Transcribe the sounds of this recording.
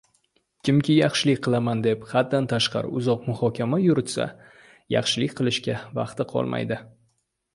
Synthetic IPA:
kʲɪmkʲʰɪjɑχʃɪlɪkʲqʰɨlˠamand̪e̞phat̪̚d̪ant̪ʰaʃqɑ̰ɾɪ̰ʊzɒq̚mʊhɒkʲʰamajʊɾɪt̪sa̰ | jɑ̰χʃɪlɪkʲqʰɨlˠɪʃkʲavɑ̰qt̪ɪqʰɒ̰lˠma̰jd̪ɪ

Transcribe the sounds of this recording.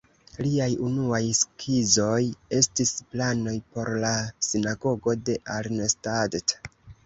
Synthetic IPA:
liajunuajskʰizo̞je̞stisplano̞jpo̞ɾlasinaɡo̞ɡo̞de̞ʔaɾnestadt

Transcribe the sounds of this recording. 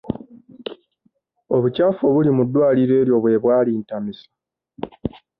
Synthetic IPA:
o̞βucafoβulimudːwaːliɾe̞ːɾjo̞βwe̞ːβwaːliːntamisḁ

